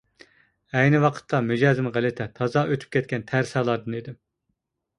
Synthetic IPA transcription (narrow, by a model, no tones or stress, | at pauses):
ɛjnɪwɑqʰə̥t̪ʰːɑmyd͡ʒɑːzɪmʁælɪt̪ʰɛt̪ʰɑzɑʔøt̪ʰy̥p̚kʲɛt̪̚kʲɛnt̪ʰæɾsɛlˠɑɾd̪ɨnid̪ɪm